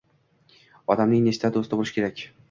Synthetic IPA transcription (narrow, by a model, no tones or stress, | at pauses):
ɒd̪amnɪŋne̞st̪ʰad̪ost̪ʰɪblˠɪʃɪkʲʰe̞ɾakʲ